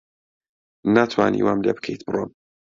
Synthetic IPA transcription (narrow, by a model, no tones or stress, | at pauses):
nat̪ʰwa̰ːnḭwaːmlebɨ̥kʰejt̪̚bɨrˤom